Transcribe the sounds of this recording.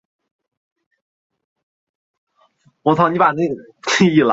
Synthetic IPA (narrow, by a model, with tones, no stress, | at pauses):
wɔ˧˩t͡sʰɑ˧˥˩ŋni˧˥pa˨˩ne˥˩ | t͡ɕʰi˥ŋi˨˩la˧˦